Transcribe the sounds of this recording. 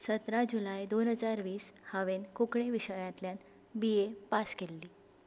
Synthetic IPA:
sət̪ɾad͡ʑulajd̪onɦəd͡zaɾʋiːshaʋenkukɳeʋiɕəjãt̪ljan | bijepaskelːiː

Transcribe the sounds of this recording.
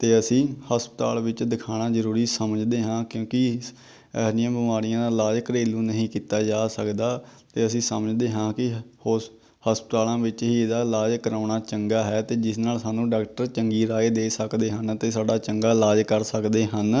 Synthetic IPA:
t̪eːəsĩːhəspət̪a̰ːlʋɪt͡ʃd̪ɪkʰaːñaːzəɾuːɾiːsəməd͡ʒd̪eːɦãːkjõːkɪ | ɛːlɪjãːbɪmaːɾɪjãːd̪aːlaːd͡ʒkəɾeːlũːnəɦĩːkiːt̪aːd͡ʒaːsəkd̪aːt̪eːəsĩːsəməd͡ʒd̪eːɦãːkɪho | həspət̪aːlãːʋɪt͡ʃɦiːed̪aːlaːd͡ʒkəɾaːɳaːt͡ʃəŋɡaːɦɛːt̪eːd͡ʒɪsnaːlsaːnũːɖaːkʈəɾt͡ʃəŋɡiːɾaːeːd̪eːsəkd̪eːɦənət̪eːsaːɖaːt͡ʃəŋɡaːlaːd͡ʒkəɾsəkd̪eːɦən

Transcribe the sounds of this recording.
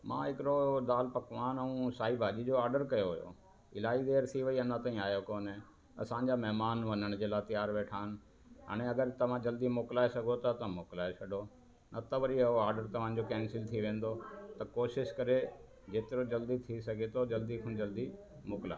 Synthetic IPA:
mã̰ːɦɪkɪɾoɗ̪aːlpɐkʋaːnɐũsaːibʱaːd͡ʑid͡ʑoaːɾɖəɾkɐjoɦʊjo̰ | ɪlaːid̪eːɾt̪ʰiʋɐiɐnãt̪aːĩaːjokoːnɦẽ | ɐ̰sãːɲd͡ʑamɛɦmaːnʋɐnəɽ̃d͡ʑeːlaːt̪ijaːɾʋeːʈʰaːɦɪn̆ | a̰ːɽ̃eɐɡəɾt̪ɐʋ̤ãd͡ʑɐld̪imoːkɪlaːesɐɡʱot̪ɐt̪ɐmoːklaːesʰɐɖo | nʔɐt̪ɐʋɐɾiɐɦoaːɾɖəɾt̪ɐʋ̤ãd͡ʑokɛ̃ːnsɪlt̪ʰiʋẽːn̆d̪ot̪ɐkoːʃɪʃkɐɾe | d͡ʑeːt̪ɪɾod͡ʑɐld̪it̪ʰisɐɡʱet̪ʰod͡ʑɐld̪ikʰʊ̃ñd͡ʑɐld̪i | moːkɪla̰ː

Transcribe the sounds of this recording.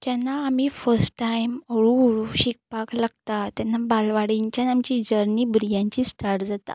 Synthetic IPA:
t̪janːaːmiːfəɾsʈːajməɽuoɽuɕik̚paklaɡt̪at̪janːabalʋaɽiɲt͡ɕjanamt͡ɕid͡ʑəɾniːbɾijãɲt͡ɕisʈaɾʈd͡zat̪a̰

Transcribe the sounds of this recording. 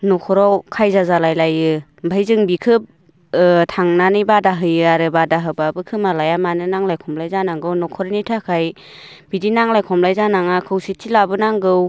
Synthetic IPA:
nɔkʰɔɾɔwkʰajzazalajlajɯ | bʱajzɯŋbikʰɯp̚ | tʰaŋnanɯjbadaɦɯjɯaɾɯbadaɦɯbabɯkʰɯmalajamanɯnaŋlajkʰɔmlajzanaŋɡɯwnɔkʰɔɾnitʰakʰaj | bidinaŋlajkʰɔmlajzanaŋakʰɯwsitʰːilabɯnaŋɡɯw

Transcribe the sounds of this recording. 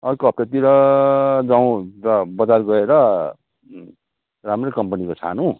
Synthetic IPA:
ʌrkoɦʌp̚tat̪iɾʌ | d͡zaw̃ɾʌbʌd͡zarɡʌeɾʌ | ramrekʌmpʌnikot͡sʰa̰nũ

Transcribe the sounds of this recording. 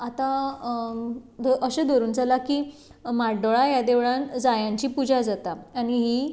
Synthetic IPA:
at̪a | d̪əɕed̪əɾuːnd͡zalakiː | maɖoɭajad̪eʋɭand͡zajãɲt͡ɕiːpud͡ʑad͡zat̪aaɽ̃iɦiː

